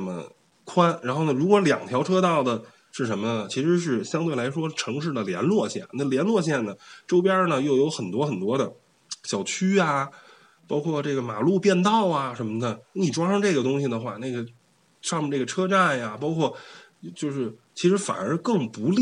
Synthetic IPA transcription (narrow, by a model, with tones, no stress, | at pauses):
mə̰˩ | kʰwa˥nɻa˧˥nxo˥˩ʊnə˩ɻu˧˥kwɔ˧˥ljɑ̰˨˩ŋt̪ʰjɑ˧˥ʊʈ͡ʂʰɤ˥t̪ɑ˥˩ʊd̪ə˩ | ʂɻ̩˥˩ʂə˧˥nmə˧nə˩t͡ɕʰi˧˥ʂɻ̩˧˥ʂ̬ɻ̩˥˩ɕjɑ˥ŋt̪we˥˩ɪla˧˥ɪʂ̬wɔ˥ʈ͡ʂʰɤ˧˥ŋʂ̬ɻ̩˥˩d̪ə˩ljɛ̰˧˥nlwɔ˥˧ɕjɛ̰˥˩nnə˥˩ljɛ˧˥nlwɔ˥˧ɕ̬jɛ˥˩nnə˩ʈ͡ʂo˥ʊpja˥nə˨jo˥˩ʊjo˧˥ʊxə˨˩nt̪wɔ˥xə˨˩nt̪wɔ˥d̪ə˨ | ɕjɑ˨˩ʊt͡ɕʰy˥a˧ | pɑ˥ʊkʰwɔ˥˧ʈ͡ʂɤ˥˩ɡə˩ma˨˩lu˥˧pjɛ˥˧nt̪ɑ˥˩ʊa˩ʂə˧˥nmə˧d̪ə˨˩˥ni˨˩ʈ͡ʂwa˥ʂɑ˥˧ŋʈ͡ʂɤ˥˩ɡə˩t̪̬ʊ˥ŋɕi˨˩d̪ə˩xwa˥˩ne˥˩ɡə˩ | ʂɑ˥˩ŋmə˧˩ne˥˩ɡə˩ʈ͡ʂʰɤ˥ʈ͡ʂa˥˩nja˩pɑ˥ʊkʰwɔ˥˩˧ | t͡ɕjo˥˧ʊʂɻ̩˥˩t͡ɕʰi˧˥ʂɻ̩˧˥fa̰˨˩nə˞˧˥kɤ˥˩ŋpu˧˥li˥˩